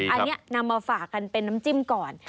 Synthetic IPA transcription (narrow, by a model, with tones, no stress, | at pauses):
ʔa˧nːi˦˥ɐna˧mːaː˧faː˨˩kːa˧npe˧nːa˦˥mt͡ɕi˦˥˩mkɔː˨˩n